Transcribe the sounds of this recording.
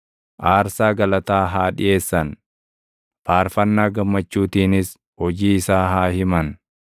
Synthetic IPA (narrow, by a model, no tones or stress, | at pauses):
ʔaːɾsaːɡɐlɐt̪aːɦaːᶑɪ̰ʔe̞ːsːɐn | paːɾfɐnːaːɡɐmːɐt͡ʃːuːt̪iːnɪs | hɔd͡ʒiːɪsaːɦaːhɪmɐn